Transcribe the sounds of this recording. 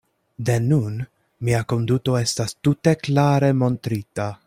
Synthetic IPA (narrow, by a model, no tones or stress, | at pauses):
de̞nun | miako̞nduto̞e̞stastute̞klaɾe̞mo̞ntɾita